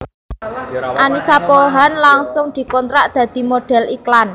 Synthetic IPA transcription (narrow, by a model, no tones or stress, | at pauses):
ʔanisapoɦanlaŋsʊŋd̪̥i̤kɔnt̪ɾaʔd̪̥ä̤d̪̥i̤moɖ̪̥ɛ̤liklan